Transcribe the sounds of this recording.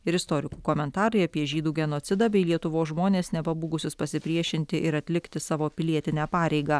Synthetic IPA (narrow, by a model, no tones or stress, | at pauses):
ɪɾɪst̪oːɾʲɪkuːkoːmʲɛnt̪ɑːɾɐɪɐpʲiɛʒʲiːd̪uːɡʲɛnoːt̪sʲɪd̪ɑbʲɛɪlʲiɛt̪ʊʋoːsʒmoːnʲeːsnʲɛpɐbuːɡʊsʲʊspɐsʲɪpʲɾʲiɛʃʲɪnʲt̪ʲɪʔɪɾɐt̪ʲlʲɪkt̪ʲɪsɑːʋoːpʲɪlʲiɛt̪ʲɪnʲæːpɑːɾʲɛɪɡɑː